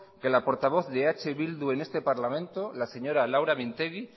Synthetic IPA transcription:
ke̞lapo̞ɾt̪aβ̞o̞θðeat͡ʃeβild̪ue̞ne̞st̪epaɾlamẽnt̪olase̞ɲo̞ɾalawɾamĩnt̪eɣi

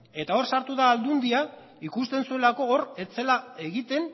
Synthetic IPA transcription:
e̞t̪ao̞ɾsaɾt̪uðaːld̪und̪ia | ikust̪e̞nsue̞lako̞oret͡se̞lae̞ɣit̪e̞n

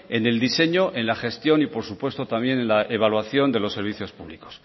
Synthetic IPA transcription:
e̞ne̞ld̪ise̞ɲo̞ʔe̞nlaxe̞st̪jo̞nipo̞ɾsupwe̞st̪o̞t̪ambje̞nenlaʔeβ̞alwaθjo̞nd̪e̞lo̞sːe̞ɾβ̞iθjo̞spuβliko̞̥s

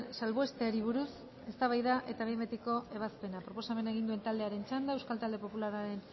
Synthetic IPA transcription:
nsalβoest̪eaɾiβ̞uɾus | e̞st̪aβ̞ajðaʔe̞t̪aβembet̪iko̞e̞βaspe̞napɾo̞po̞same̞naeɣ̞ind̪ue̞nt̪ald̪e̞aɾe̞nt͡ʃand̪aewskalt̪ald̪e̞po̞pulaɾaɾe̞n

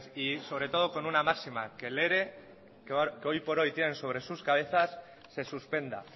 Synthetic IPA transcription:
siso̞βɾet̪o̞ð̞o̞ko̞nunamaksima̰ke̞le̞ɾe̞ | kko̞jpo̞ɾo̞jt̪je̞ne̞nso̞β̞ɾe̞suskaβ̞e̞θasː | e̞suspe̞nd̪a̰

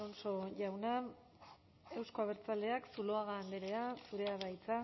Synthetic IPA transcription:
onso̞ʝawna | e̞wsko̞aβ̞e̞ɾt͡sald̪e̞aksuloaɣaːnd̪eɾe̞asuɾe̞aβajt͡sa

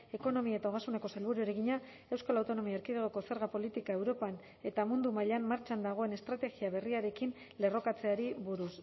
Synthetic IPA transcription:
e̞ko̞no̞miae̞t̪aoɣasuneko̞selβuɾueɾeɣiɲa | e̞wskalawt̪o̞no̞miaɾkiðeɣoko̞se̞ɾɣapo̞lit̪ikae̞wɾo̞pan | e̞t̪amund̪umaʎammːaɾt͡ʃand̪aɣ̞o̞e̞ne̞st̪ɾat̪eɣiaβe̞riaɾe̞kin | le̞ro̞kat͡se̞aɾiβuɾus

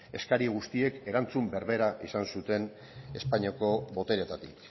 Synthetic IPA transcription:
e̞skaɾiɣ̞ust̪ie̞ke̞ɾant͡sumbe̞ɾβe̞ɾaʔisansut̪e̞n | e̞spaɲiako̞βo̞t̪e̞ɾe̞t̪at̪ik

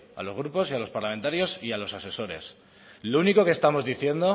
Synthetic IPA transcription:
a̰lo̞zɣ̞ɾupo̞sialo̞spaɾlament̪aɾjo̞sialo̞sase̞so̞ɾe̞̰s | louniko̞kest̪amo̞zðiθje̞nd̪o

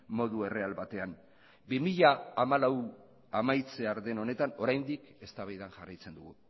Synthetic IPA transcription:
mo̞ðue̞re̞alβat̪e̞an | bimiʎaːmalaw | amajt͡se̞aɾðe̞no̞ne̞t̪ano̞ɾajnd̪ike̞st̪aβajðanʝarajt͡se̞nd̪uɣu

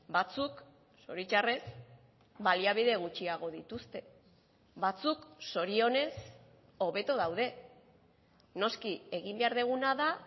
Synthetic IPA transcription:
bat͡suk | so̞ɾit͡ʃare̞s | baliaβ̞iðe̞ɣ̞ut͡ʃiaɣ̞o̞ðit̪ust̪e̞ | βat͡sukso̞ɾio̞ne̞s | o̞βe̞t̪oðawðe̞ | no̞skie̞ɣimbe̞aɾðeɣ̞unaða

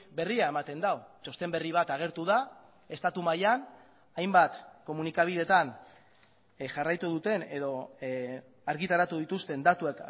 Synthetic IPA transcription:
be̞riae̞mat̪e̞nd̪awt͡ʃo̞st̪e̞mbe̞riβ̞at̪aɣ̞e̞ɾt̪uð̞a | e̞st̪at̪umajan | ajmbat̪ko̞munikaβ̞ið̞e̞t̪an | ʝarajt̪uð̞ut̪e̞ne̞ðo̞ | aɾɣit̪aɾat̪uðit̪ust̪e̞nd̪at̪uek

